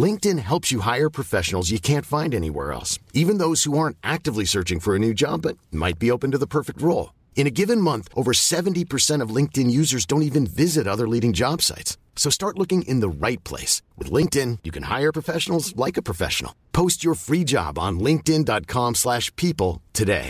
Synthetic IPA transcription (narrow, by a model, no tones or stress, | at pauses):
lɪ̃ŋk̚tɨ̃nɦɛlˠpsjɨɦaɪə˞pʰɹ̥ɨfɛʃn̩l̩ˠzjɨkʰæ̃ntfãɪ̃ndɛnḭwɛ̰ɹɛ̰lˠsivɨ̃nðoʊz̥huɑɹ̃ntʔæk̚tɨvlisɜ˞t͡ʃɪ̃ŋfə˞ɨnʉd͡ʒɑ̰bʌt̚ma̰ɪt̚b̥ioʊpɨ̃n̩tɨðəpʰɜ˞fɨk̚t̚ɹoʊlˠ | ɨ̃ɾ̃ɨɡɪvɨ̃nmʌ̃nθʔoʊvə˞sɛṽn̩tipʰə˞sɛ̃ɾ̃ʌvlɪ̃ŋk̚tɨ̃njʉzə˞zdõʊ̃ntivɨ̃nvɪzɨɾʌðə˞liɾɪ̃ŋd͡ʒɑb̥sa̰ɪtsː | oʊstɑɹtˡlʊkɪ̃ŋʔɪ̰̃nðəɹaɪt̚pʰl̥ḛɪswɨ̰ðlɪ̃ŋk̚tɪ̃njɨkʰɨ̃nha̰ɪə˞pʰɹ̥əfɛʃn̩l̩ˠzlaɪkɨpʰɹ̥ɨfɛ̰ʃn̩l̩ˠpʰoʊst͡ʃə˞fɹid͡ʒɑ̰b̃n̩lɪ̃ŋk̚tɪ̃ndɑt̚kʰɑ̃mslæʃpʰipl̩ˠtʰɨdḛɪ